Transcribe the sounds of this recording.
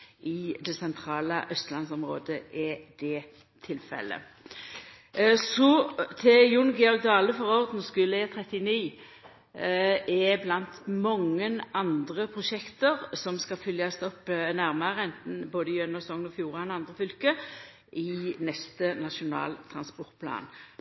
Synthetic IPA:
ʔɪd̪ɛsɛnt̪ʰɾɑːlə̰ʔœst̪lɑnsɔmʁo̰ːd̪əʔɛd̪̥ɛ | t̪ʰɪlfɛ̰lə̰ | sɔt̪ʰɪljʊnɡɛɔɾɡ̚d̪ɑːləfɔʁɔʁd̪nskʉlːəɛt̪ʰʁɛt̪ːɪniː | ɛblɑnt̪mɔŋːənɑnd̪ʁəpʰʁʊʃɛkt̪əʁsɔmskɑfʏljɑsd̪ɔpːnæʁmɑʁəɛnt̪n̩boːd̪əɪœnːɔsɔŋnɔfjuːɾɛnɑnd̪ʁəfʏlkə | ʔɪnɛst̪ənɑʃʊnɑ̰ːlt̪ʰɾɑnspɔʁt̪̚pʰlɑ̰ːn

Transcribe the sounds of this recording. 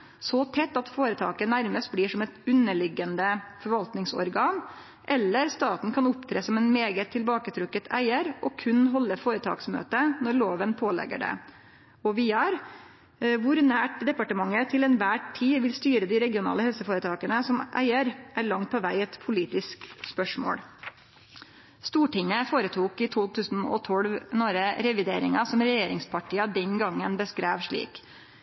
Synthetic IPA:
sɔt̪ʰɛt̪ːɑt̪foːɾət̪ʰɑ̰ːkənæɾməst̪̚bliːʂɔmɛt̪ʉnːəɭɪɡːənd̪əfɔɾʋɑlt̪nɪŋsɔ̰ɾɡɑːn | ʔɛlːəɾst̪ɑːt̪n̩kʰɑnʊpt̪ʰɾeːsɔmɛnmeːɡət̪ʰːɪlbɑːkət̪ʰɾʉkːət̪ʰæɪəɾʔɔkʰʉnɦɔlːəfoːɾət̪ʰɑ̰ːksmø̰ːt̪ənɔɾɭoːʋənpʰoːlɛ̰ɡːə̰ɖɛ̰ | ɔʋiːɑɾ | ʋʊɾnæːʈd̪ɛpɑʈəmɑŋːət̪ʰɪlɛnʋæːʈʰiːʋɪlst̪yːɾəd̪ɪɾɛɡɪʊnɑ̰ːləhɛlsəfoːɾət̪ʰɑːkənəsɔmʔæ̰ɪəɾʔæɾɭɑŋt̪̚pʰɔʋæɪɛt̪pʰʊliːt̪ɪskspœʂmo̰ːɽ | st̪uːʈɪŋəfoːɾət̪ʰuːkɪt̪ʰoːt̪ʰʉːsn̩ɔ̰t̪ʰɔlʋnoɾəɾɛʋɪd̪eːɾɪ̰ŋɑsɔmɾɛjeːɾɪŋspʰɑʈʰiːɑd̪ɛnɡɑŋːənbəskɾeːʋʂɭḭːk

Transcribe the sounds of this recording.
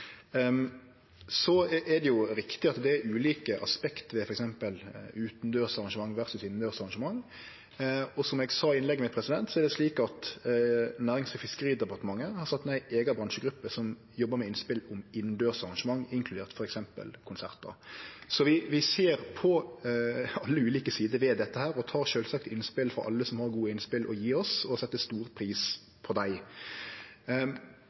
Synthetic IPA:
sɔɛd̪ɛjʊɾɪkt̪ɪɑt̪d̪ɛɛʉːliːkəʔɑspɛkt̪ʋɛfɔɾɛksɛmpəlʉːt̪n̩d̪øːʁsɑɾɑnʃəmɑŋːʋæʁsʉsɪnːd̪øːʁsɑɾɑnʂəmɑŋː | ɔsɔmɛɡsɑːɪɪnlɛɡːəmɪt̪pʰɾɛsɪd̪ɛnt̪sɔɛɾd̪ɛsliːkɑt̪ | næːɾɪŋsɛfɪskəʁiːd̪ɛpɑʁt̪əmɑŋːəhɑɾsɑt̪ːnæɪeːɡɑbɾɑnʃəɡɾʉpːəsɔm | jɔbːəɾmɛɪnspɪlʊmɪnd̪øːʁsɑɾɑnʂəmɑŋːɪŋkʰlʉd̪eːʁt̪fɔɾɛksɛmpə̰lkʰʊnsæʁt̪ə̰ɾsɔʋɪʋɪseːɾpʰɔ | ɑlːəʉːliːkəsiːd̪əʋɛd̪ɛt̪ːəhæːɾɔt̪ʰɑːʁʃøːlsɑkt̪ɪnspɪlfɔɾʔɑ̰lːəsɔmhɑʁɡuːəɪnspɪlʔɔ̰jiːɔsɔsɛt̪ːəst̪uːʁpʰʁiːs | pʰɔd̪æɪ

